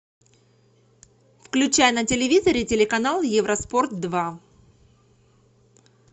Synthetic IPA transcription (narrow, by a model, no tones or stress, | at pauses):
fklʲʉt͡ɕæjnətʲɪlʲɪvʲizəɾʲɪtʲɪlʲɪkɐnalˠjɪvɾəspo̞rt̪̚d̪va